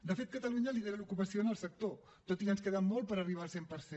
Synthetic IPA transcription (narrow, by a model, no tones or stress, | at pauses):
d̪əfet̪̚kət̪əluɲəliðeɾəlukupəsionəlˠsək̚t̪o | t̪ot̪ikənskeðəmːolˠt̪̚pəɾəriβ̞alˠsempəɾse